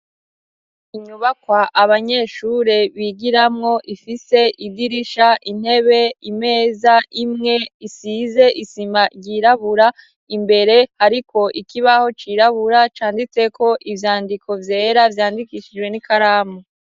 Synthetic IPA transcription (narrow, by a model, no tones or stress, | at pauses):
iɲuβakwaʔaβaɲe̞ʃuɾe̞βiɡiɾamŋo̞ʔifise̞ʔidiɾiʃaʔin̥he̞βe̞ime̞ːzaimŋe̞isize̞ʔisimaɾɟiɾaβuɾa | imbe̞ɾe̞haɾiko̞ʔikiβaho̞t͡ʃiɾaβuɾat͡ʃaːndit͡se̞kʰo̞ʔivjaːndikʰo̞vje̞ːɾavjaːndikiʃid͡ʒwe̞nikaɾaːmu